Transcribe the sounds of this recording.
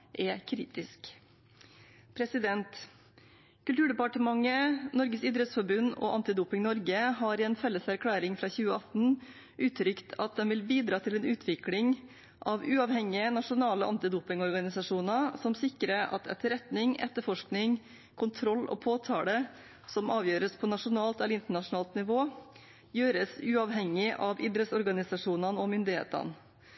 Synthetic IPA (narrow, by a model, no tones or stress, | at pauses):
ʔɛkʰɾḭːt̪ɪsk | pʰɾɛsɪd̪ɛnt̪ | kʉlt̪ʉːɖɛpɑʈəmɑŋənɔɾɡəsɪd̪ɾət̪sfɔɾbʉnːo̰ʔɑnt̪ɪd̪uːpɪŋnɔɾɡəɦɑːɾɛnfɛlːəsæɾkʰɽæːɾɪŋfɾɑːçʉːəɑt̪n̩ | ʔʉːt̪ʰːɾʏkt̪ʰɑt̪̚d̪ɛnʋɪlbiːd̪ɾɑːt̪ʰɪlɛːnʉːt̪ʰʋɪklɪŋ | ʔɑʋʉːɑʋhɛŋːɪənɑʂʊnɑːləʔɑ̰nt̪ɪd̪uːpɪŋɔɾɡɑnɪsɑʂuːnəsɔmsɪkɾəɾɑ̰t̪ʰɛ̰t̪ːəɾɛt̪nɪŋɛ̰t̪ːəfɔʂknɪŋ | kʰʊnt̪ʰɾɔlːɔ̰pʰoːt̪ʰɑːɽə | sɔmɑːʋjøːɾəspʰɔnɑʂʊnɑːlt̪ɛlɾɪnt̪əɳɑʂʊnɑːlt̪nɪʋoː | jøːɾəsʉːɑʋɦɛŋːɪʔɑʋɪd̪ɾət̪sɔɾɡɑnɪsɑʂuːnɑnɔmʏnd̪ɪhḛːt̪ə̰n